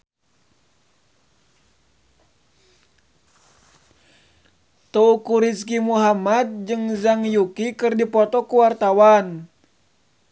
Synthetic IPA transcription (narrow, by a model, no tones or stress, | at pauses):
t̪oukuɾiskimuɦamad̪̚d͡ʒɨŋzaŋjukikɨrdipɔt̪ɔkuwart̪awan